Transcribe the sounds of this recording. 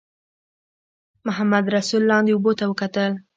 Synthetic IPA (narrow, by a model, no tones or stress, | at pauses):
mʊɦamad̪ɾasulːɑnd̪eubot̪awəkat̪əl